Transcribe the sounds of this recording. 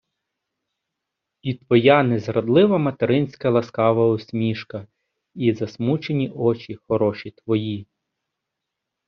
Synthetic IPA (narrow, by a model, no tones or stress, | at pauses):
it̪ʋɔjɑnɛzɾɐd̪lˠɪʋɐmɐt̪eɾɪnʲsʲkɐlˠɐskɑʋɐɔsʲmʲiʃkɐ | izɐsmut͡ʃenʲiʔɔt͡ʃʲixɔɾɔʃit̪ʋɔji